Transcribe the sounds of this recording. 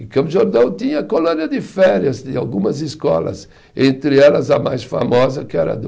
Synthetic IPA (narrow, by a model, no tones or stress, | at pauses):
ɪ̃kɐ̃mʒoɾd̪ɐ̃w̃t̪ĩɲɐːkolõniɐd̪ɪfɛɾjɐzd̪ɪa̰wɡũmɐzɪskɔ̰lɐ̰z | ẽnt̪ɾɪɛlɐzɐmajsfa̰mɔzɐkɪɛɾɐ̰d̪